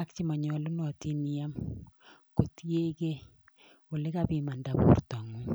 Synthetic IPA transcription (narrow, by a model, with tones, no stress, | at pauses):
akt͡ʃi˦ma˨ɲɔ˨lʊ˦nɔ˨ti˦ni˦ja˦m | ko˨ti˦e˦ke˦ | o˨le˦ka˦pi˨ma˨nda˨bṵ˨rta˨ŋu˦